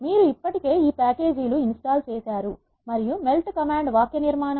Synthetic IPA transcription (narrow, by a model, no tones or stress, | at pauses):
miːɾuipːɐʈike̞ːiːpaːke̞ːd͡ʒiluinsʈaːlt͡ʃeːsaːɾu | mɐɾijume̞lʈkɐmaːɳɖʋaːkjɐniɾmaːnɐ